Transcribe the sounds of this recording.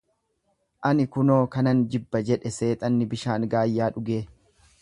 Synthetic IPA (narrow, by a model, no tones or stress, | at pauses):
ʔɐnɪkʊno̞ːkɐnɐnd͡ʒɪbːɐd͡ʒɛᶑɛse̞ːt̪ʼɐnːɪbɪʃaːŋɡaːjːaːᶑʊɡe̞ː